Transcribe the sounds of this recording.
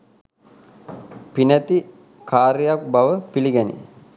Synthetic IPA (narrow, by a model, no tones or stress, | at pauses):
pinæt̪i | kaːɾijak̚baʋəpiliɡænḭ